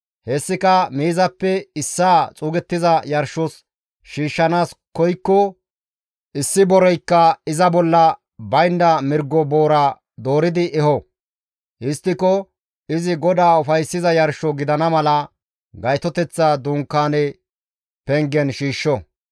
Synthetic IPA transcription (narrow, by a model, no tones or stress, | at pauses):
hɛsːɪkɐmiːzɐpːɛɪsːaːt͡sʼuːɡɛt̪ːɪzɐjɐɾʃɔs | ʃiːʃːɐnaːskɔjkːɔ | ʔɪsːɪbɔɾɔjkːɐɪzɐbɔlːɐ | bɐjnd̪ɐmɪɾɡːɔboːɾɐ | d̪o̞ːɾɪd̪ɪʔɛhɔ | ɪst̪ːɪkɔ | ɪzɪɡɔd̪aːʊfɐjsːɪzɐjɐɾʃɔɡɪd̪ɐnɐmɐlɐ | ɡɐjt̪ɔt̪ɛt͡sːad̪ʊŋkːaːnɛ | pɛŋɡɛnʃiːʃːɔ